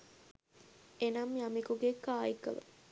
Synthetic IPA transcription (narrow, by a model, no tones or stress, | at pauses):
enɐmjamikuɡekaːikə̰ʋə̰